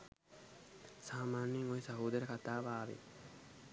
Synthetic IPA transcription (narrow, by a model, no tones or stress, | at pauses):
saːmaːnjiŋojesɐɦuːd̪ɐɾəkat̪aːʋaːʋḛ